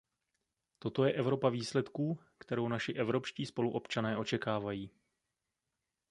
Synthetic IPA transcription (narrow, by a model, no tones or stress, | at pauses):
t̪o̞t̪o̞jɛʔɛvɾo̞paviːslɛt̪kuː | kt̪ɛɾo̞wnaʃɪʔɛvɾo̞pʃciːspo̞luʔo̞pt͡ʃanɛːʔo̞t͡ʃɛkaːvajiː